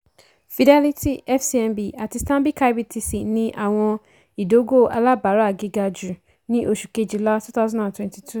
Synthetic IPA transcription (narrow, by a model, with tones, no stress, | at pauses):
fi˨dɛ˦li˦ti˦ɛ˦fsi˨ɛ̃˧mbi˨ʔa˨ti˨˧stã˦mbi˦ka˦jbi˦tʰi˧si˨nĩ˦ʔa˦˨w̃ɔ̃˧ | i˨do˦ɡo˦˨ʔa˧la˦ba˨˦ɾa˦a˨ɡi˦ɡa˧d͡ʒu˨ | nĩ˦ʔo˦ʃu˨ke˨˦˨d͡ʒi˨la˦tu˦ta˦zã˦dã˨twɛ̃˦nti˨tʰu˦˨